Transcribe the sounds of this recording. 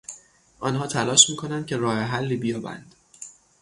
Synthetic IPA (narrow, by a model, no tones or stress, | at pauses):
ʔɒːnɦɒːt̪ʰælɒːʃmiːkʰonænd̪̥̚cʲʰeɾɒːheɦælːiːbijɒːbæ̰nd̪̥